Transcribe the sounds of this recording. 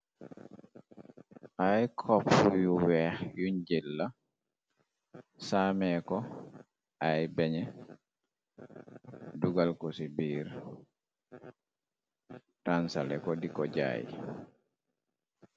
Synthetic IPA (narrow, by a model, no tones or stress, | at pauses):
ʔajkʰɔpːujuwɛhjuɲd͡ʒilːa | samɛkɔ | ʔajbɛɲɛ | duɡalkɔsibiːɾ | tansa̰lɛ̰kɔdikɔɟa̰ːjḭ